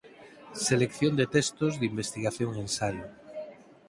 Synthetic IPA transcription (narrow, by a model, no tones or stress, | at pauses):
selekθjond̪et̪est̪ozðimbest̪iɣaθjoŋẽnsaʎo